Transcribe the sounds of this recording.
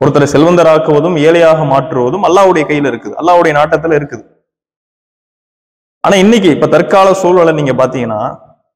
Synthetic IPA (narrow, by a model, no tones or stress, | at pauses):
pɔɾɯt̪ːɐlɐsɛlʋɐnd̪ɐɾaːkːɯʋɐðɯmeːlɐjaːɣɐmaːʈrɯʋɐðɯmɐlːaːʋɯɽɐjɐkɐjːɪlɪɾɯkːɯðɯʔɐ̰lːaːʋɯɽɐjɐnaːʈːɐt̪ːɪlɪɾɯkːɯðɯ | ʔa̰ːnaːɪnːɪk̬ʲːɯɪpːoːt̪ɐɾkaːlɐsuːlʋɐɭɐniːŋɡɐpaːɾt̪iːŋɡɐnːa̰ː